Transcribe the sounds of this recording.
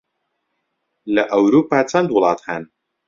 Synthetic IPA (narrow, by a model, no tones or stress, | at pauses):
lɐʔɐwɾuːpʰaːt͡sʰɐnd̪wʊlˠɑːt̪ħan